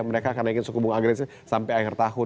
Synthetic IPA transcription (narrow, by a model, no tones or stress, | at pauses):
məɾekakarnaiŋɪnsukubuŋaɡɾɛsi | sampajahɪrt̪aɦʊ